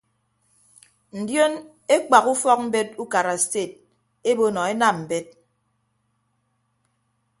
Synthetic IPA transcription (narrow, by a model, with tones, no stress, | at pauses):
n̩˨djo˦n | e˦k͡pa˨ku˦fɔ˦k̚m̩˦be˦t̚u˦ka˨ɾa˨ste˦˨t̚ | e˦bo˦nɔ˨e˦na˦˨mm̩˨be˦t̚